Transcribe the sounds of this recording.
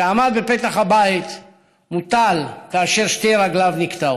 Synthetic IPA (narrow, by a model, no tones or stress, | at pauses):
aamad̪bepe̞t̪aχhabait̪ | mut̪alkaːʃe̞ʁʃtejʁaɡlavnikt̪a